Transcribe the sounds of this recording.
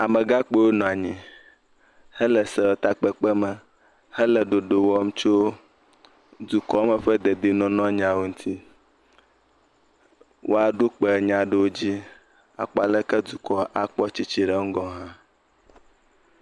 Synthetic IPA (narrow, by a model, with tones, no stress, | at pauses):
a˨mɛ˨ɡa˦k͡pe˦wo˦nɔ̃˨a˨ɲĩ˨ | hɛ˦lɛ˨sɛ˨wo˨t̪a˨k͡pɛ˦k͡pɛ˦mɛ˨ | hɛ˦lɛ˨ɖo˨ɖo˨wɔ˦m˦t͡ʃo˦ | d̪u˨kɔ˦mɛ˨ɸɛ˦d̪e˨d̪i˨nɔ̃˨nɔ̃˦ɲ˨ã˨wo˨ŋ̩˦t̪ʰi˦ | wʔo̰˦a˨ɖo˦k͡pɛ˨ɲã˨ɖe˨wo˦d͡ʑi˦ | a̰˨k͡pɔ˦˨a˨lɛ˦kɛ˦d̪u˨kɔ˨ʔa˨k͡pɔ˦t͡ɕi˨t͡ɕi˨ɖɛ˦ŋ̩˦ɡɔ̃˨˦ɦã˦